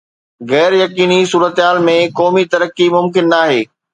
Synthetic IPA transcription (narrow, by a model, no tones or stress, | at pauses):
ɣɛːɾjɐkiːnisuːɾət̪ɦaːlmẽkɔːmit̪ɐɾəkimʊmkɪnːaːɦeː